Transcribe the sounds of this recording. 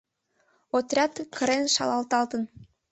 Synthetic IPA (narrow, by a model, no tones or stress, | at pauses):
ot̪rʲɑt̪kʰə̆ɾenʃɑ̰lɑlt̪ɑlt̪ən